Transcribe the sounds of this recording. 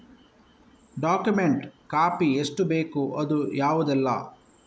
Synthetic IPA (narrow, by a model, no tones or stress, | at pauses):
ɖaːkjumeɳʈkaːpieʂʈubeːkuʔɐd̪ujaːʋud̪ɛlːɐ̰